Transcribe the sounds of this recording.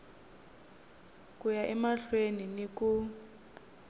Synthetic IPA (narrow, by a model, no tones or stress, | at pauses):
kʼujaʔɛmaɬweniniku